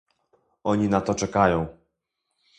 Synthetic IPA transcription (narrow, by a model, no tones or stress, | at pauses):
ɔɲinat̪ɔt͡ʂɛkajɔ̃w̃